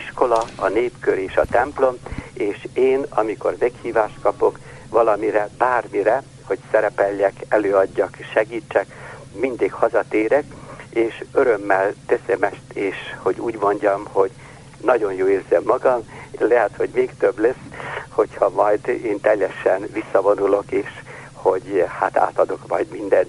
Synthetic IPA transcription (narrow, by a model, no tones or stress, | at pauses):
iʃko̞lɒɒneːpkøɾeːʃɒ̰t̪ɛmplo̞meːʃeːnɒmiko̞̰rmɛkhiːvaːʃt̪̚kɒpo̞k | ʋɒlɒmiɾɛbaːrmiɾɛ | ho̞csɛɾɛpɛlːɛkɛløːɒɟːɒkʃɛɡiːt͡ʃːɛkmind̪ikhɒzɒt̪eːɾɛkeːʃøɾø̞mːɛlt̪ɛsɛmɛʃt̪eːʃho̞ɟuːɟmo̞ɲɟɒmho̞ɟ | nɒɟo̞njoːeːrzɛmːɒɡɒmlɛɦɛt̪ho̞ɟmeːkt̪øblɛsho̞chɒmɒjd̪eːnt̪ɛjːɛʃɛnʋisːɒvo̞nulo̞keːʃ | ho̞ɟhat̪a̰ːt̪ɒd̪o̞kmɒ̰ɟmind̪ɛn